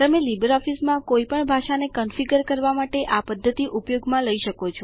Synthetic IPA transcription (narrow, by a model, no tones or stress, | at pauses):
t̪əmelibəɾɔfismãkoipəɳbʱaʃanekənfiɡəɾkəɾʋamaʈeʔapəd̪ʱːət̪iʔupjoɡmãləiʃəkot͡ʃʰoɔ